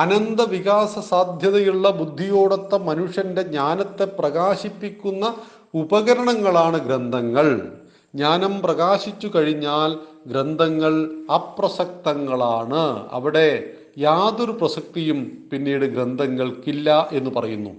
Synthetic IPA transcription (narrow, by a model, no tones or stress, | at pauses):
ɐnɐnd̪ɐʋiɣaːsɐsaːd̪ʱjɐðɐjuɭːɐbud̪ʱːijo̞ːɽɐt̪ːɐmɐnuʂjɐnde̞ɲaːnɐt̪ːe̞prɐɣaːɕipːikʲːunːɐ | ubɐɣɐɾɐɳɐŋːɐɭaːɳɨɡɾend̪ʱɐŋːɐɭ | ɲaːnɐmprɐɣaːɕit͡ɕːukɐɻiɲːaːl | ɡɾend̪ʱɐŋːɐɭɐprɐsɐk̚t̪ɐŋːɐɭaːɳɨɐ̰ʋiɽe̞ | jaːðo̞ɾuprɐsɐk̚t̪ijumpinːiːɽɨɡɾend̪ʱɐŋːɐɭkilːɐʔe̞nːupɐrɐjunːṵ